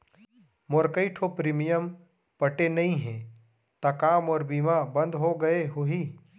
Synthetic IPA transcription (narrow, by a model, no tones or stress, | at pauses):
moːɾkəiʈʰopɾiːmijəm | pɐʈenɐɦĩɦɛ̃ː | t̪akaːmɔːɾbiːmabɐ̃nd̪ɦoɡɐeɦʊɦiː